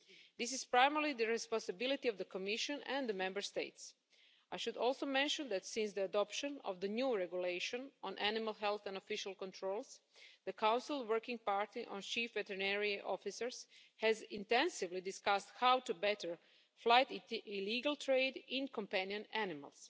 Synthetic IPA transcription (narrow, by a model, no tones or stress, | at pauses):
d̪ɪs̬ɪz̥pɾaɪmɛɾlid̪əɹɛspɔ̃nsabilˠit̪iɔʋd̪əkomiʃɔ̃nɛ̃nd̪əmɛ̃mbəɹst̪eɪts | ajʃud̪ɔlˠsowmɛ̃nʃõnd̪æt̪sɪ̃nsd̪iadɔpʃõnɔ̰ʋd̪ənjuːɹɛɡjuleɪʃɔ̃nɔ̃nʔænɪmalˠɦɛlˠθɛ̃ndofiʃalˠkõnt̪ʰɾoːlˠsd̪əkʰãw̃nsɪlˠwɜ˞kĩŋɡ̚paɹt̪iʔõ̰nt͡ʃiːfʋɛtəɹnɛɹiʔɔfisəɹshɛzɪ̃nt̪ɛ̃nsɪʋlidɪskast̪hawtubɛtəɹ | flajt̪ɪliːɡalˠt̪ɾeɪdɪ̃nkɔ̃mpæ̃niə̃nænɪma̰lˠs